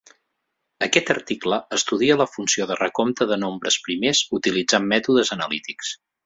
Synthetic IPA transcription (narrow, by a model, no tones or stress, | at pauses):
əkɛt̪əɾt̪ikləəst̪uðiələfunsioðərəkomt̪əðənombɾəspɾimezut̪ilid͡zamːɛt̪uðəzənəlit̪iks